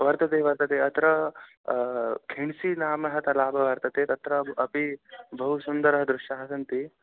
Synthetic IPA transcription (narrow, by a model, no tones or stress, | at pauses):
ʋɐɾt̪ɐt̪eːʋɐɾt̪ɐt̪eːɐt̪ɾɐ | kʰeɳsinaːmɐɦɐt̪ɐlaːbʱɐʋɐɾt̪ɐt̪eːt̪ɐt̪ɾɐɐpibʱɐɦusɐnd̪ɐɾɐɦɐd̪ɾʊʃjaɦɐsɐnt̪i